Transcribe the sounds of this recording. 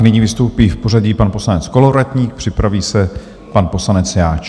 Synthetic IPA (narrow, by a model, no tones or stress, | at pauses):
nɪɲivɪst̪owpiːfpo̞raɟiːpanpo̞slanɛt͡sko̞loɾat̪ɲiːk̚pr̥ɪpɾaviːsɛ | panpo̞slanɛt͡sjaːt͡ʃ